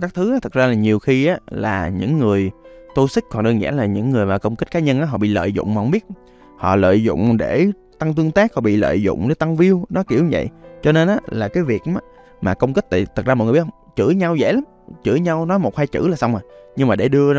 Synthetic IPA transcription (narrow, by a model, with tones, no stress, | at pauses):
kaː˦˥k̚t̪ʰɨ˨˦ʔaː˨˦t̪ʰɨ˨˩k̚zaː˧laː˨˩ɲi˨˩əwxi˧ʔaː˨˦la̰ː˨˩ɲɨ̰˧˥ŋːɨ˨˩əjt̪o˧sɨ˦˥k̟̚kɔ˨˩nɗɨ˧nzɛ̰˧˥laː˨˩ɲɨ̰˧˥ŋːɨ˨˩jmaː˨˩kə˧wŋ͡mki˦˥k̟̚ka˨˦ɲə˧nʔaː˦ɦɔ̰˧˨ɓḭ˧˨lə̰ː˧˨jzʊ̰˧˨ŋ͡mma˨˩hə˧ŋ͡mɓi˦˥ət̚ | hɔ̰˧˨lə̰ː˧˨jzʊ̰˧˨ŋ͡mɗe˧˩ | t̪a˧ŋt̪ɨ˧əŋt̪aː˦˥k̚hɔ̰˧˨ɓḭ˧˨lə̰ː˧˨jzʊ̰˧˨ŋ͡mɗe˨˧˩t̪a˧ŋvi˧əwnɔ˨˦ki˧˩əwɲ˧˩və̰˧˨jt͡ɕɔ˧ne˧nʔaː˨˦laː˨˩kaː˨˦jvi˨˩ək̚ː | maː˨˩kə˧wŋ͡mk̬i˦˥t̪a̰ː˧˨t̪ʰɨ˨˩zaː˧ɔ˨jhʰŋ͡mt͡ɕɨ̰˧˥ɲa˧wzɛ̰˧˥la˨˦m | t͡ɕɨ̰˧˩ɲa˧wnɔ˨˦jmo˨˩t̚xaː˧jt͡ɕɨ̰˧˥laː˨˩sa˧wmaː˨˩ɲɨ˧ŋmaː˨˩ɗe˧˩ɗɨ˧ə